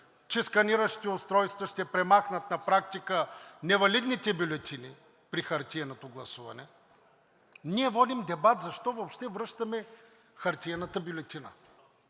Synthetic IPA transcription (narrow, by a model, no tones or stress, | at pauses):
t͡ʃɛskɐniɾəʃit̪iʊst̪ɾɔjst̪vɐʃt̪ɛpɾɛmaxnət̪nɐpɾak̚t̪ikənɛvɐlʲid̪nit̪ɛbʲulʲɛt̪ʲini | pɾixɐɾt̪ʲiɛnot̪oɡlˠɐsuvɐ̰nɛ | niɛvɔd̪imd̪ɛbat̪zɐʃt̪ɔvopʃt̪ɛvɾɤʃt̪ɐmɛ | xɐɾt̪iɛnɐt̪əbʲʊlʲɛt̪inə̰